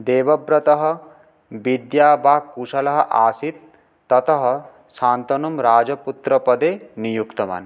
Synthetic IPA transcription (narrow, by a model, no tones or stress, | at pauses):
d̪eːʋɐbɾɐt̪ɐɦɔ̆ | bid̪jaːbaːkuʃɐlɐɦɐʔaːsit̪̚ː | ɔt̪ɐɦɔ | ʃaːnt̪ɔnumɾaːd͡ʒɐput̪ɾɐpɐd̪eːnijukt̪ɐma̰ːn